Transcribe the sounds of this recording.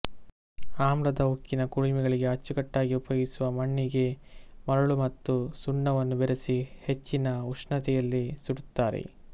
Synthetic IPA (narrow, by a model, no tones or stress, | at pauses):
aːmɾɐd̪ɐukːinɐkuɽimiɡɐɭiɡe̞ɦɐt͡ʃːukɐʈːaːɡiupɐjɡisuʋɐmɐɳːiɡe̞mɐɾɐɭumɐt̪ːusuɳːɐʋɐnːubeɾesihe̞t͡ʃːinɐuʂɳɐt̪ɛjɐlːisuɽut̪ːaːɾḛ